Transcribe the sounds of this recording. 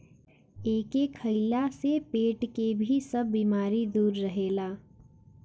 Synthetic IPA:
eːkekʰəɪlasepeːʈkebʱisəbːiːmaːɾid̪uːɾːəɦeːlaː

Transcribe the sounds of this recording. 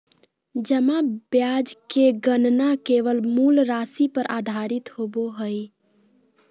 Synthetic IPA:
d͡ʒəmabjad͡ʒkeɡənnakeʋəlmuːlɾasipəɾʔad̪ʱaːɾɪt̪hoboɦəj

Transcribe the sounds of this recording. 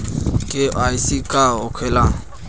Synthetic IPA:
kʼɪaisikʼaʊkʰwɛlaŋ̩

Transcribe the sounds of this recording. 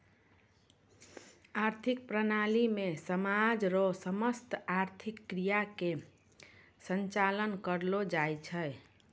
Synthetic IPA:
aɾt̪ʰik̚pɾənalimesəmad͡ʒɾosəməst̪aɾt̪ʰikːɾijake | sənt͡ʃalənkəɾlod͡ʒajt͡ʃʰəj

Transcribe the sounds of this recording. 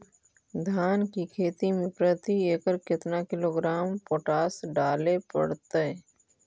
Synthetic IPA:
d̪ʱaːnkikʰeːt̪imẽpɾət̪ieːkəɾkɪt̪nakɪloːɡɾaːmpoːʈaːsɖaːlepə̰ɽt̪e

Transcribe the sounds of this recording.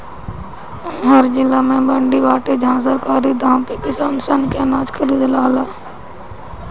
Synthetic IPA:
ɦəɾd͡ʒɪlaːmɛ̃ːbəɳɖiːʋaːʈeːd͡ʒʱãːs̬əɾkaːɾiːd̪ʱãːpeːkɪsaːnsaːnkeːnaːt͡ʃkʰəɾiːd̪laːlaː

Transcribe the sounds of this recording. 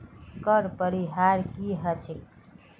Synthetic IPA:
kəɾpəɾiɦaɾkiɦət͡ʃʰe

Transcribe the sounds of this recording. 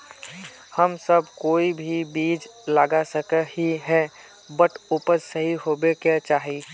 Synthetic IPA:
həmsəbkoːibʱibiːd͡ʒləɡasəkəhiɦɛ | bəʈʰuːpəɾsəɦiɦoːbekat͡ʃaːɦieː

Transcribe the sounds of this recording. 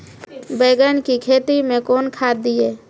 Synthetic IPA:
beːɡənkikʰeːt̪imẽkoːnkʰaːd̪ieː

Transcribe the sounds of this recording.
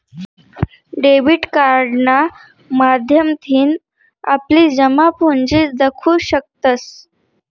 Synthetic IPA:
ɖeʋiːʈkaɾɖna | mad̪ʱjəmt̪ʰiːn | a̰pliːd͡ʑəmapund͡ʑiːd̪əkʰuːɕək̚t̪ət͡s

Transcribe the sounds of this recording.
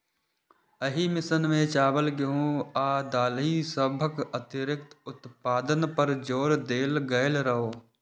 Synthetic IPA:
əɦimɪsənmẽt͡ʃaːbəlkeɦũːaːd̪aːlisəbʱəkət̪ɪɾɪkt̪ʊt̪paːd̪ənpəɾd͡ʒoːɾd̪eːlɡəɪlɾəɦoː

